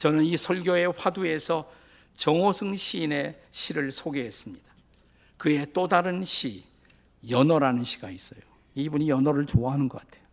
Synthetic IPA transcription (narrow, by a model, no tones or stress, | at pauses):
t͡ɕʌnɯnisʰʌɭɡjoe̞ɸwadue̞sʰʌ | t͡ɕʌŋosʰɯŋɕʰiːne̞ | ɕʰiɾɯɭsʰoɡeɦes͈ɯmɲid̥ḁ | kɯe̞t͈odaɾɯnɕʰi | jʌnʌɾanɯnɕʰiɡais͈ʌjo | ibuɲijʌnʌɾɯɭt͡ɕoaɦanɯnɡʌk͈ḁtʰe̥jo